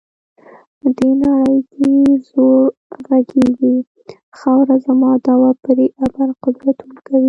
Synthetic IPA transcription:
d̪enaɽəjd̪ezoɾɣaɡeɡi | xɑwɾazamɑd̪ɑwapəɾeʔabaɾqʊd̪ɾat̪unkawi

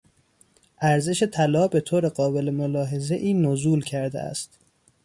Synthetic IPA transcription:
ʔæɾze̞ʃe̞t̪ʰælɒːbe̞t̪ʰoːɾe̞ɢɒːbe̞lemolɒːɦe̞ze̞ʔiːnozuːlcʰæɾd̪ḛʔæ̰st̪

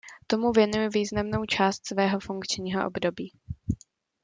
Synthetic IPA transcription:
t̪o̞muvjɛnujɪviːznamno̞wt͡ʃaːst̪svɛːɦo̞fuŋkt͡ʃɲiːɦo̰ʔo̰bdo̞biː

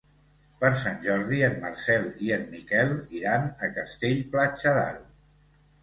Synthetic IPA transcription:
pəɾsanʲʒɔɾðiənməɾsɛlˠiənmikɛlˠiɾanəkəst̪eʎplat͡ʃəða̰ɾu

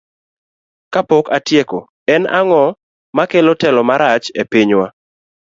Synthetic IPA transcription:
kapɔkatjeko | ɛnaŋɔ | makelɔtɛlɔmaɾat͡ʃepɪɲwa

